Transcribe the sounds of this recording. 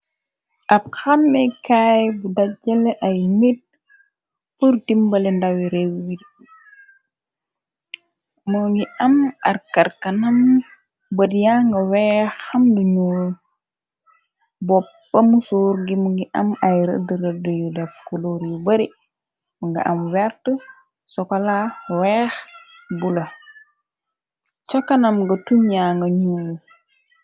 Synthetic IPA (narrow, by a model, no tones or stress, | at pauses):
ʔab̚xamːɛkajbudad͡ʒɐlɛʔajmid̚ | puɾdimbɐlɛndawiɾewːid | muŋɡiɐma̰ɾkaɾkɐnɐm | bədijaŋɡɐwɛːxɐmduɲuːl | bɔpːɐmusuːɾɡimuŋɡiʔɐmajɾə̰dəɾədəjudɛfkuloɾjubəɾi | muŋɡḭʔɐmwɛɾtə | sɔkɔlawɛːx | bulɐ | t͡ʃɔkɐnɐmɡɐtumjaŋɡɐɲuːl